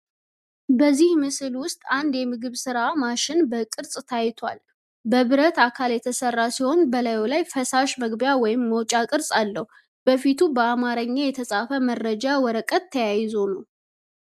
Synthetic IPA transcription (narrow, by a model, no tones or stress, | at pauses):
bəzːihmɨsɨlwʊst̪ʼand̪jɛmɨɡɨβsɨɾamaʃɪnbəkʼɨɾsʼt̪ʰajt̪ʰwa̰l | bəβɨɾət̪akʰaljɛt̪ʰəsərːasiho̞nbəlajolajfəsaʃməɡbjawɔjɪmːəwt͡ʃʼakʼɨɾsʼalːəhu | b̥əfit̪ʰubəamaɾəɲːajɛt̪ʰəsʼafəmərːəd͡ʒawɔɾəkʼət̪ʰːəjajɪzonuw